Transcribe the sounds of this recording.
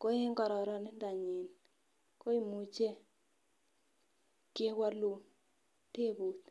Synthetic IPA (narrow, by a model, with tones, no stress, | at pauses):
ko˦e˦ŋɡɔ˨ɾɔ˨ɾɔ˨nɪ˦nda˨ɲi˨n | ko˦i˦mu˨t͡ʃe˦ | ke˦wa˦lu˨ | te˦bu˨t̪